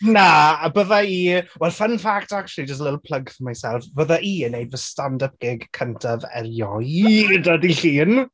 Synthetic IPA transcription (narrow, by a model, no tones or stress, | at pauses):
naːbəːðaiːwɛlˠfənfaktak̚t͡ʃlˠid͡ʒəstlɪtl̩ˠpʰl̥əɡθəmajsɛlˠfb̥əːðaʔiːənːejdvəstandəp̚ɡ̥ɪɡkʰəntʰaðɛ̰rjɔjdadiɬiːn